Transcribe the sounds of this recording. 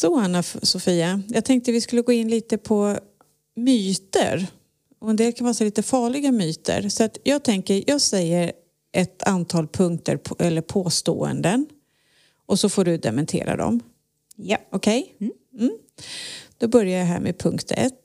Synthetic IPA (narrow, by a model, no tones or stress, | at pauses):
sɔanafsɔfiːajɑːɡt̪ʰɛŋk̚t̪əvɪskɵlːəɡoːɪnːliːt̪əpʰɔ | myːt̪ə̰ɾ | ɔɛnd̪eːlkʰanvɑːsaliːt̪əfɑːɭɪɡamyːt̪ə̰ɾsɔat̪jɑːɡ̚t̪ʰɛŋkəɾjʔɑːɡsɛjːəɾ | ʔɛt̪ʰant̪ʰɑːlpʰɵŋkt̪ə̰ɾpʰɛlːəɾpʰoːst̪o̰ːə̰nd̪ən | ʔɔsɔfoːɖɵd̪ɛmɛnt̪ʰḛːɾa̰d̪ɔ̰m | ɔkʰɛj | m̩ː | d̪̥ɔbœɾjajaɦæ̰ːɾmʔḛːpʰɵŋkt̪ʰɛ̰t̪ː